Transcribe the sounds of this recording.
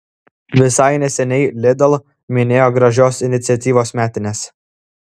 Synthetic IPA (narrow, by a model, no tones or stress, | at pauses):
ʋʲɪsɐɪnʲɛsʲɛnʲɛɪlʲɪd̪ɐlˠ | mʲɪnʲeːjoɡɾɐʒʲoːsɪnʲɪt̪sʲɛt̪ʲiːʋoːsmʲæːt̪ʲɪnʲeːs